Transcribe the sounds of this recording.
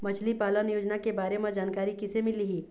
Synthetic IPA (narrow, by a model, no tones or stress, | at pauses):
mɐt͡ʃʰlipaːlənjoːd͡ʒnakebaːɾemãd͡ʒaːnkaːɾikɪsemɪliɦiː